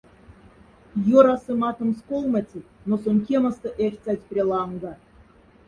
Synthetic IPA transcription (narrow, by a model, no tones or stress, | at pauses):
joɾɑsɨmɑt̪ɤ̆mskolˠmətʲinosonʲk̬ʲemə̆st̪ɤ̆ʔerʲt͡sʲat̪ʲpʲrʲelˠɑŋɡɑ